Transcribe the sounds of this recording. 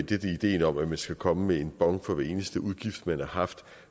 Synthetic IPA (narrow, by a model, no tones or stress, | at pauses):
d̥ed̥əid̥e̝̰ːnɒ̽mæmænsɡ̥ækʰɒ̽məmee̝nb̥ɒ̽ŋ̰̥fɒ̽ʋæɐe̝ːnəsd̥əuð̞ˠɡ̥ifd̥mænhɑ̈hɑ̈fd̥